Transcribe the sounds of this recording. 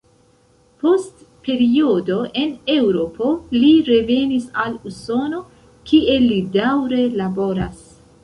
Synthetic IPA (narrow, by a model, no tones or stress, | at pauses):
po̞st | pe̞ɾiodo̞ʔe̞ne̞wɾo̞po̞liɾe̞ve̞nisaluso̞no̞ | kʰiʔe̞lidawɾe̞labo̞ɾas